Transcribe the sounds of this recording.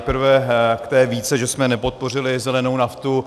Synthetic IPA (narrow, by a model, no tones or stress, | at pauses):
pɾ̩vɛkt̪ɛːviːt͡sɛʒɛsmɛnɛpo̞t̪̚po̞r̝ɪlɪzɛlɛnownaft̪u